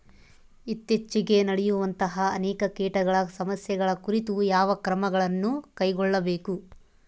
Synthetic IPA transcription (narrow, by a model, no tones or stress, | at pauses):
it̪ːjet͡ʃːiɡe̞nɐɽɛjuʋɐnt̪ɐɦɐːnɛːkɐkɛːʈɐɡɐɭɐsɐmɐsjɐɡɐɭɐkuɾit̪ujaːʋɐkɾɐmɐɡɐɭɐnːukɐjɡɔɭːɐbeːku